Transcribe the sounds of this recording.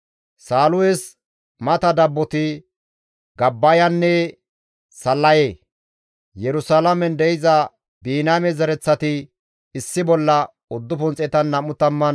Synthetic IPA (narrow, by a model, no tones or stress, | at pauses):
saːlʊwɛs | mɐt̪ɐd̪ɐbːɔt̪ɪ | ɡɐbːɐjɐnːɛ | sɐlːɐjeː | jɛɾʊsalɐmɛnd̪ɛjɪzɐ | biːnaːmɛzɛɾɛt͡sːɐt̪ɪː | sːɪbɔlːɐ | ʊd̪ːʊpʊnt͡sʼɛt̪ɐnːɐmʊt̪ɐmːɐn